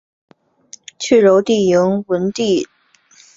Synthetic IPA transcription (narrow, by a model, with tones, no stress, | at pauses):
t͡ɕʰy˥˩ɻo˧˥ʊt̪i˥˩ji˧˥ŋwə˧˥nt̪i˥˩